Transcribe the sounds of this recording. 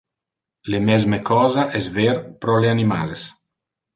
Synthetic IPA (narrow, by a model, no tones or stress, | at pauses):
lemɛzmekɔːzaʔɛsveɾpɾɔleanima̰ːles